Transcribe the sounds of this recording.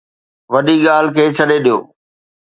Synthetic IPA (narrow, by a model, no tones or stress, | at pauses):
ʋɐɗiɠaːl̤ɪkʰeːt͡ɕʰɐɗeɗijo̰ː